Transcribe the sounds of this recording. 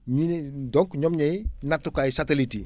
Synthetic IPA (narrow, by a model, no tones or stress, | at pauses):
ɲindɔŋkɲɔmɲɛjinak̚tːukajsateliti